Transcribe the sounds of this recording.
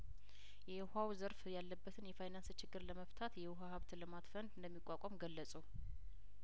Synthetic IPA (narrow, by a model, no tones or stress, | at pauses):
jɛjhawzəɾfjalːəbːət̪ʰɨnjɛfajnanst͡ʃʰɪɡːɨɾləməft̪ʰat̪jɛwɦahaβt̪ləmat̪fənd̪ɨnd̪əmːikʷʼːakʼɔmɡəlːəsʼu